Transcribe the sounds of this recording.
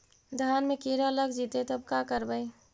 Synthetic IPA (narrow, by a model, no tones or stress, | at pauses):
d̪ʱaːnmekiɾaləɡd͡ʒit̪et̪əb̚kakəɾbəj